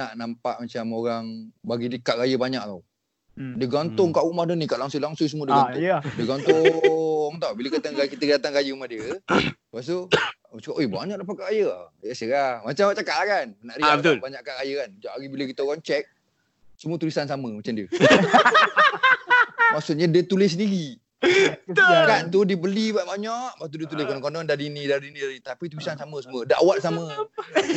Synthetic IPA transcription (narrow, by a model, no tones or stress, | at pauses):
naʔnampaʔmat͡ʃamoɾaŋbaɡidəkaʔɾajəbaɲak̚t̪aw | dəɡant̪ʊŋkaʔumahdənikaʔlaŋsolaŋsʊŋsəmuədɡiədəɡant̪ʊ | ŋt̪awbiləkat̪aŋakit̪ədat̪aŋɡajəumahdiə | pas̬t̪u | at͡ʃakaʔojba̰ɲak̚dapakaʔɣajəa̰asəamat͡ʃamat͡ʃakaʔlakanənaʔɾiabət̪ʊlbaɲaʔkakajəkand͡ʒaʔaɡibiləkit̪əoɣaŋt͡ʃɛk̚ | sumuət̪ulisansaməmat͡ʃamdiə | maksut̪̚ɲadiət̪ulɪs̬əndiɣi | akant̪udibəlibaʔbaɲɔʔmast̪udiət̪̬ulɪskɔnɔŋkɔndɔndadinidadinidadinit̪apit̪ulisansaməsumuədaʔawaʔ̚samə